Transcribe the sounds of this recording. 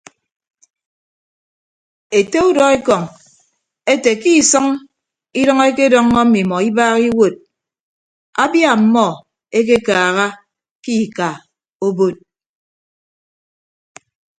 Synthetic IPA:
e˨te˦u˦dɔ˨e˦kɔ˨ŋ | e˦te˨ki˦˨sɔ˦ŋ | i˦dɔ˦ŋ˦e˦ke˦dɔ˦ŋːɔ˦mi˨mɔ˨i˦baː˦ɣi˦wo˦˨t̚ | a˦bja˦˨m̩˨˦mɔ˦ | e˦k̬e˦kaː˨ɣa˦ | ki˦˨ka˨ | o˦bo˦t̚

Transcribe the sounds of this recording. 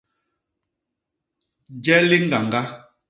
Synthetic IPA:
d͡ʒɛ˦li˦ŋ˦ɡa˨ŋɡa˦

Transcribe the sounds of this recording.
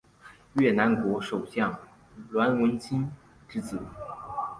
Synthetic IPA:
ɥɛ˥˩na˧˥nkwɔ˧˥ʂo˨˩ʊɕjɑ˥˩ŋ | lwa˧˥nwə˧˥nt͡ɕʰi˥n | ʈ͡ʂɻ̩˥t͡sɹ̩˨˩

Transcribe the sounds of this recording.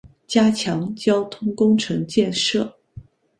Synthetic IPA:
t͡ɕja˥t͡ɕʰjɑ˧˥ŋt͡ɕjɑ˥ʊt̪ʰʊ˥ŋkʊ˥ŋʈ͡ʂʰɤ˧˥ŋt͡ɕjɛ˥˧nʂɤ˥˩

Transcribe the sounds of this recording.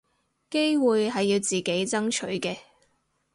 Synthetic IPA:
ke˥jwuː˨jɦɐ˨jːiː˧wt͡siː˨˩ke˨˥jt͡sɐ˥ŋt͡ʃʰɵ˨˥ɥkɛː˧

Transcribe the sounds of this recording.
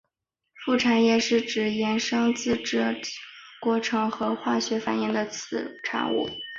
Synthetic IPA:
fu˥˩ʈ͡ʂʰa˨˩njɛ˥˩ʂɻ̩˥˩ʈ͡ʂɻ̩˨˩jɛ˧˥nʂɤ˥ŋt͡sɹ̩˥˩ʈ͡ʂɤ˥˩kwɔ˧˥ʈ͡ʂʰɤ˧˥ŋxɤ˧˥xwa˥˩ɕɥɛ˧˥fa˨˩njɛ˥˩nd̪ə˧t͡sʰɹ̩˧˩ʈ͡ʂʰa̰˧˥ŋṵ˥˩

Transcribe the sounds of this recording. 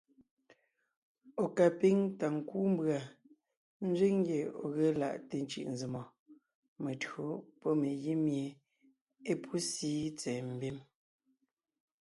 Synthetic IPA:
o˨ka˨pi˦ŋta˨ŋ̩˨kuː˦m˦bɰa˨ | n̩˦d͡ʒɥe˦ŋ˦ɡje˨o̰˨ɣe˦la̰˦˨ʔte˨n̩˦t͡ʃḭ˨ʔn̩˨zi˨mɔ˨ | me˨tɰo˨pɔ˦me˨ji˦mje˨ | e˦pʰu˦siː˦t͡sɛː˨m̩˨be˦m

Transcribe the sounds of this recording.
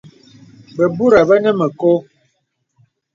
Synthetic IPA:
bə˨bu˦ɾa˨bə˦nə˦mə˨ko˦

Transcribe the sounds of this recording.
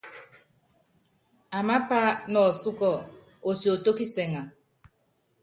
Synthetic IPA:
a˨ma˦pa˦nɔ˨su˦kɔ˦˨ | o˨sjo˨to˦ki˦se˨ŋa˨

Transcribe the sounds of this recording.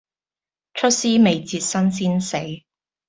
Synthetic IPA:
t͡ʃʰɵ˥t̚siː˥me˨jt͡siː˧t̚sɐ˥ns̬iː˥nse˨˥j

